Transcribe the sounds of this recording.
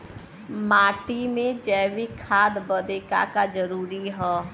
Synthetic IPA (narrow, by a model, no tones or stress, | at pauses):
maːʈimẽd͡ʒɛːʋikʰaːd̪bəd̪eːka̰kad͡ʒəɾuːɾiɦɔː